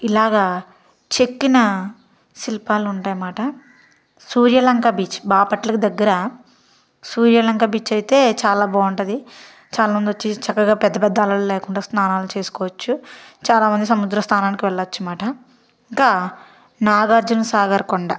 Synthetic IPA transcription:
ilaːɡaː | t͡ʃekːinɐ | silipaːluuɳʈaːjɐmaːʈɐ | suːɾjɐlɐŋkaːbiːt͡ʃbaːpɐʈlɐkid̪ɐɡːɐɾɐ | suːɾjɐlɐŋkaːbiːt͡ʃɐjit̪e̞ːt͡ʃaːlaːboːuɳʈɐd̪i | t͡ʃaːlaːmɐnd̪ot͡ʃːit͡ʃɐkːɐɡaːpɛd̪ːɐpɛd̪ːaːlɐloːleːkuɳɖaːsnaːnaːlut͡ʃe̞ːsu̥kɔːʋɐt͡ʃːut͡ʃaːlaːmɐnd̪isɐmud̪ɾɐst̪ʰaːnaːnikiʋɛɭːɐɐt͡ʃːumaːʈɐ | iŋkaː | naːɡaːɾd͡ʒunsaːɡɐɾkɔɳɖɐ

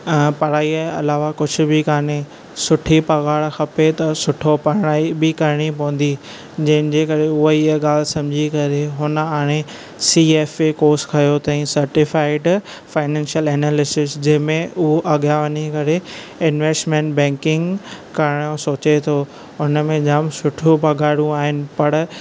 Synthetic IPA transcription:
pɐɾaːiɐlaːʋakʊd͡ʑʱʊ̆bɪkaːne | sʊʈʰipɐɣaːɭxɐpet̪ɐsʊʈʰopɐɾɽ̃aːibɪkɐɾɪɽ̃ipɐʋə̃nd̪i | d͡ʑɐ̃ɦɪ̃nɪ̆d͡ʑekɐɾeʊɦoiəɠaːlsɐ̃md͡ʑʱikɐɾeɦʊnə̆aːɽ̃e | sieːfekoːskʰɐjot̪ɐ̃ĩsɐɾʈɪfaːɪɖ | faːɪnɛ̃ːnʃəlɛːnaːlɪsɪsd͡ʑɐ̃ɦɪ̃mẽʊɦoʔɐɠjaʋɐɲekɐɾe | ɪnʋeːsʈmẽːɳʈbɛ̃ːŋkɪ̃ŋɡkɐɾɪɽ̃osoːt͡ɕet̪ʰo | ʊnəmẽd͡ʑaːmsʊʈʰupɐɡaːɽũaːɦɪnɪ̆pɐɽ

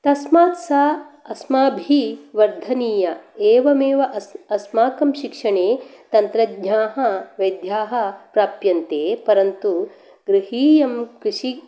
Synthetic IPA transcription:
t̪ɐsmaːt̪saːɐsmaːbʱiʋɐɾd̪ʱɐniːjɐeːʋɐmeːʋɐʔɐsmaːkɐmʃikʂɐɳeːt̪ɐnt̪ɾɐɡɲaːɦɐʋɐjd̪jaːɦɐ̆pɾaːpjɐnt̪eːpɐɾɐnt̪u | ɡɾɪɦiːjɐmkɾɪʃi

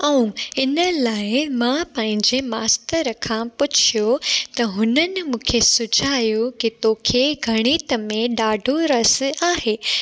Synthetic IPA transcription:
ɐũɪnəlaːɪmãpɐ̃ɦɪ̃ɲd͡ʑemaːst̪əɾkʰãpʊt͡ɕʰijot̪ɐɦʊnənɪ̆mũːkʰesʊd͡ʑʱaːjokit̪oːkʰeɡʱɐɽ̃iːt̪əmẽɗaːɖʱoɾɐsaːɦeː

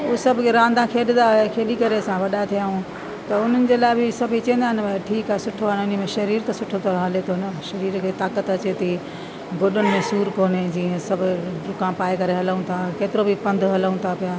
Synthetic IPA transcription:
usɐbʱʊkʰeɾãːnd̪ʱãkʰeːɗɪnd̪aekʰeːɗikɐɾesãʋɐɗaet̪ʰijaːũ | t̪ɐʊn̤ənɪ̆d͡ʑeːlaːɪbɪsɐbʱit͡ɕɐ̃nd̪aːɦɪnʈʰiːkaɦesʊʈʰoɦaɪnʊn̆mẽʃɐɾiːɾt̪ɐsʊʈʰot̪ʰoːɦɐlet̪ʰonɐʃɐɾiːɾkʰeːt̪aːkət̪ɐt͡ɕet̪ʰi | ɡoɗʊnɪ̆mẽsuːɾkoːned͡ʑiːə̃sɐbʱʊɾʊkãpaːekɐɾeɦɐləũt̪ʰakeːt̪ɪɾobʱɪpɐ̃nd̪ʱɦɐləũt̪ʰapijaː

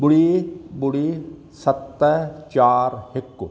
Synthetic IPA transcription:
bʊɽibʊɽi | sɐt̪ːət͡ʃaːɾhɪkː

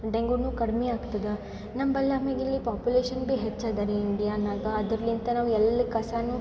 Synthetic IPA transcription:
ɖeŋɡunuːkɐɽmeaːɡt̪ɐd̪ɐ | nɐmbɐljaːmeːɡilːipaːpjuleːʃɐnbeɦet͡ʃːaːd̪aːɾeiɳɖijaːnaːɡɐːd̪ɐɾɐlint̪ɐnaːʋɛlːikɐsaːnu

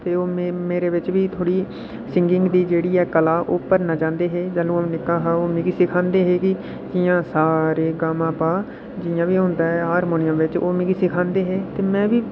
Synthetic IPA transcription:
t̪eːoːmeːɾeːʋɪt͡ʃʋiːt̪ʰoːɽiː | sɪŋɡɪŋɡd̪iːd͡ʒeːɽiːɛːkəlaːʔoːpəɾnaːt͡ʃãːnd̪eːɦeːd͡ʒəlũːəmːnɪkːaːɦaːoːmɪ̃ɡiːsɪkʰãːnd̪eːɦeːkɪ | d͡ʒɪjãːsaːɾeːɡaːmãːpaː | d͡ʒɪjãːʋiːɦʊ̃nd̪aːɦɛːɦaːɾmoːnɪjəmʋɪt͡ʃo̰ːmɪ̃ːɡisɪkʰãːnd̪eːɦeːt̪eːmɛ̃ːʋiː

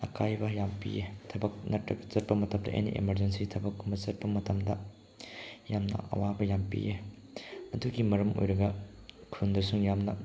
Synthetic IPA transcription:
ɐkʰajbɐjampḭjetʰɐbɐk̚nɐtɾɐbɐzɐt̚pɐmɐtɐmdɐ̰ʔḛnḭʔḛmɐɾd͡ʒensitʰɐbɐkːumbɐzɐt̚pɐmɐtɐmdɐ | jamnɐ̰ʔɐ̰wabɐjampḭje | ɐduɡimɐɾɐmo̰jɾɐɡɐkʰundɐsuŋjamnɐ

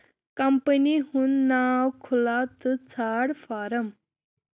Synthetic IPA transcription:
kɐmpənihunːawkʰulat̪ɨt͡sʰaɽfaɾəm

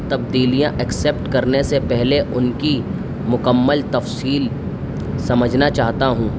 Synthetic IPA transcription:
t̪ɐbd̪iːlijãʔɐkseːpʈkɐɾnesepɛɦleʔʊnki | mʊkəmːəlt̪ɐfsiːl | sɐməd͡ʒʱnat͡ʃaːɦt̪aɦũː

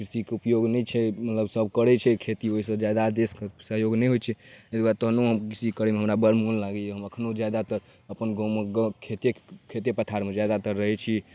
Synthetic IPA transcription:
kɾisikeupjoɡnɛjt͡ʃʰɛmət̪ləbsəbkəɾɛt͡ʃʰɛkʰet̪ioisə̃d͡ʒad̪ad̪eskesəɦjoɡnɛjɦojt͡ʃʰɛedɡaɾt̪oɦənoɦəmkisikəɾemeɦəmɾabəɾmullaɡejeɦəməkʰnod͡ʒjad̪at̪əɾ | əpənɡõmeɡəkʰet̪ekʰet̪epət̪ʰaɾmed͡ʒjad̪at̪əɾːəɦɛt͡ʃʰi

